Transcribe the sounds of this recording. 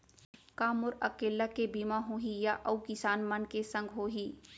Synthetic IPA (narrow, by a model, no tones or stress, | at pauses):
kaːmʊɾɐkeːlakebiːmaɦoːɦijaʔɐukɪsaːnmɐnkesɐ̃ŋɡʱɦoːɦiː